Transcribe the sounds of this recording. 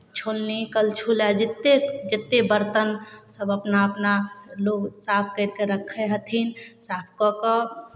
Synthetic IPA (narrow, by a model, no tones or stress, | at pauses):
t͡ʃʰolnikəlt͡ʃʰulad͡ʒit̪ːed͡ʒet̪ːebəɾt̪ənsəbəpnaəpnaloɡsapʰkəɪɾkeɾəkʰːɛɦət̪ʰinsapʰkɔkɔ